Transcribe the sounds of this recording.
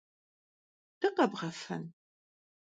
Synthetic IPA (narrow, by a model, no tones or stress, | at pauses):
d̥ɐqɐbʁɐfɐ̰n